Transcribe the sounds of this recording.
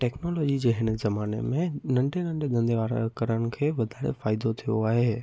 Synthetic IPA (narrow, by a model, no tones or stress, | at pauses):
ʈɛːknoːlɔːd͡ʑid͡ʑeːɦɪn̆zɐmaːnḛmẽnɐ̃ɳɖʱenɐ̃ɳɖʱed̪ɐ̃nd̪eʋaːɾ̰kɐɾəɽ̃ɪ̆kʰeːʋɐd̪ʱaːɽḛfaːɪd̪ot̪ʰijo̰aːɦeː